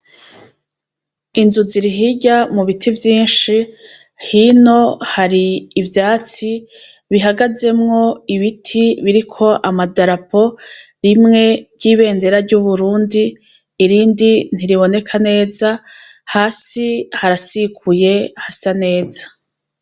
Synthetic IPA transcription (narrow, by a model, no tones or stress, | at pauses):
inzuziɾiɦiɟamuβitʰivjiːnʃi | hino̞haɾiːvjaːt͡si | βiɦaɡaze̞mŋo̞iβitʰiβiɾikʰo̞ʔamadaɾapʰo̞ | ɾimŋe̞ɾɟiːβe̞ːnde̞ɾaɾɟuβuɾuːndiː | ɾiːndin̥iɾiβo̞ne̞kʰane̞ːza | haːsihaɾasikʰuje̞hasane̞ːzḁ